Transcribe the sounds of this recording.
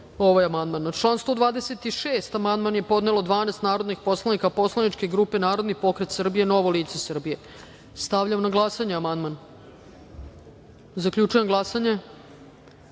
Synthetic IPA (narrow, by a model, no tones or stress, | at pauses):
o̞ʋajamand̪manʈ͡ʂlˠaːnst̪vo̞d̪ʋaːd̪ese̞t̪iʃeːst̪amand̪manjepo̞d̪ne̞lo̞d̪ʋaːnest̪naːɾo̞d̪nixpo̞slanikapo̞slˠanit͡ʃkeɡɾuːpe̞naːɾo̞d̪nipo̞kɾet̪sr̩bijeno̞ʋoliːt̪sesr̩bije̞ | st̪aʋʎamnaɡlˠasaɲeamand̪man | zakʎut͡ʃujemɡlˠasaɲe̞